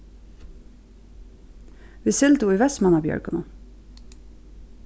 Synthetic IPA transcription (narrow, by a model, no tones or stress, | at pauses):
ʋɪsɪld̪ʊiːʋɛsmɑnɑːbjœ̰ɹɡʊnɔ̰